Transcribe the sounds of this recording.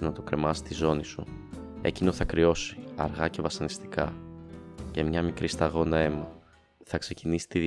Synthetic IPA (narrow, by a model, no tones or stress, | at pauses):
nɐt̪o̞kɾe̞mɐsi̥t̪izo̞nisue̞̰cino̞θɐkɾio̞si̥ɐɾɣɐce̞vɐsɐnist̪i̥kɐ | ce̞mɲɐmikɾist̪ɐɣo̞nɐe̞mɐ | θɐkse̞cinisi̥t̪iði